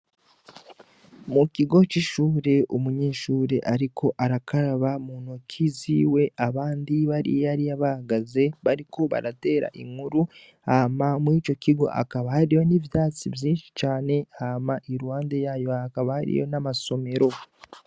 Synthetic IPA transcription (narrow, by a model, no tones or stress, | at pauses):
mukiɡo̞ciʃuːɾe̞omuɲe̞ːʃuːɾe̞ʔaɾikʰo̞ʔaɾakaɾaβamuːnocʰiziwe̞ʔaβaːndiβaɾḭaɾiaβahaɡaze̞βaɾiko̞βa̰ɾate̞ːɾa̰ʔḭŋuɾu | haːmamwiːt͡ʃo̞kiɡo̞̰ʔa̰kaβahaɾijo̞nivjaːt͡sivjiːnʃi̥t͡ʃaːne̞hamaʔiɾuwaːndejaːjo̞akaβahaɾḭjo̞̰namaso̞me̞ɾo̞